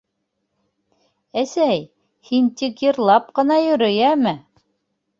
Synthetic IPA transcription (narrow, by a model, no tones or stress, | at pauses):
æsæj | hint̪ikjɤ̆ɾlˠɑp̚qɤ̆nɑjɵ̆ɾɵ̆jæmɘ